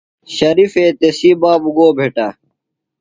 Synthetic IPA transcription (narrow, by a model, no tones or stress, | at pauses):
ɕɐɾifeːt̪esiːbaːbuɡoːbʱeːʈa